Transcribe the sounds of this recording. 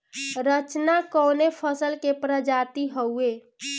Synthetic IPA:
ɾət͡ʃnakɔwnepʰəsəlkepɾəd͡ʒat̪iɦəwe

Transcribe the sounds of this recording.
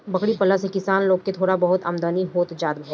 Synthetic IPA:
bɐkɽipɐlasekɪsaːnloːɡ̚ket̪ʰoːɽabɐɦʊt̪ɐmd̪aːniɦoːt̪d͡ʒaːd̪̚bʱʊ

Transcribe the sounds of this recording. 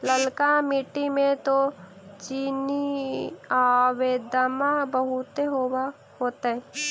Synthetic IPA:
ləlkamɪʈimẽt̪o | t͡ʃiːni | aweːd̪amãbəɦʊt̪eɦowa | hoːt̪aɦɛ

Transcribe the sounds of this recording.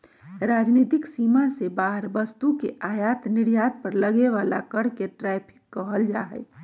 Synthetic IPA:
ɾaːd͡ʒnit̪ɪksimasebaɦəɾbəst̪ukeaːjaːt̪nɪɽjat̪̚pəɾləɡeʋalakəɽ̤keʈɾɛpʰɪ̥kːəɦəld͡ʒaɦɛ̰

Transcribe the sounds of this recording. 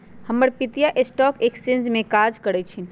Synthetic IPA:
həməɾpit̪ijaʔesʈɔkeksẽnd͡ʒmẽkad͡ʒkəɾɛt͡ʃʰin

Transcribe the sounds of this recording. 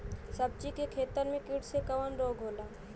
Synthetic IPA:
səb̚t͡ʃikekʰeːt̪əɾmẽkɪɽsekəʋənɾoːɡʱɦoːlaː

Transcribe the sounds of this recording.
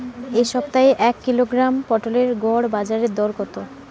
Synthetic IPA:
eʃɔb̚t̪aeʔɛkːiloɡɾampɔʈoleɾɡɔɽbad͡ʑaɾed̪ɔɾkɔt̪o

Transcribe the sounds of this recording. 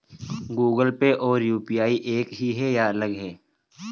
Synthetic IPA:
ɡuːɡəlpeʔɔːɾjuːpijaːiʔeːkɦiɦɛjaɐləɡɦɛː

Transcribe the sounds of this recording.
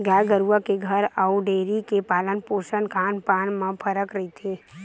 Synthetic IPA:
ɡaːɡəɾuʋakeɡʱəɾauɖeːɾikepaːlənpoːʃənkʰaːnpaːnmãpʰəɾəkɾɐɦit̪ʰeː

